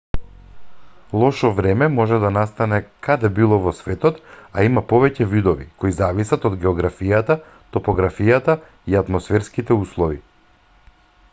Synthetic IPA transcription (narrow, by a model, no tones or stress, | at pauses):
lˠɔʃɔvɾɛmɛmɔʒɛd̪anast̪anɛkʰad̪ɛbilˠɔvɔsvɛt̪ɔt̪aimapɔvɛcɛvid̪ɔvḭkoizavisat̪ɔd̪ɡɛɔɡɾafijat̪a | t̪ɔpɔɡɾafijat̪a | iat̪mɔsfɛɾskit̪ɛuslˠɔvi